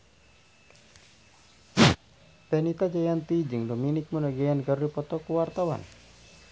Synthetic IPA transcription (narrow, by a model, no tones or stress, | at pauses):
pɛnit̪ad͡ʒajant̪id͡ʒɨŋdominɪk̚munaɡajankaɾudipɔt̪ɔkuwart̪awa̰n